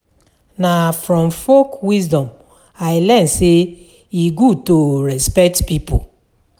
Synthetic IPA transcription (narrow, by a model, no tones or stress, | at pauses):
nafɾɔ̃mfokwizdɔ̃m | ajlɛn̩se | iɡutoɾɛspɛk̚tpipo